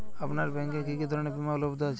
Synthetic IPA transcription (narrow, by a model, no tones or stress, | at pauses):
apnaɾbɛ̃ŋkekikid̪ʱɔɾnebimalobd̪at͡ʃ